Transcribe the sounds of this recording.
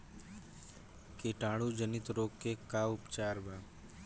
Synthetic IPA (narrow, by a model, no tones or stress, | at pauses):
keːʈaːɽuːd͡ʒənɪt̪ɾoːkːekaːʊpt͡ʃaːɾbaː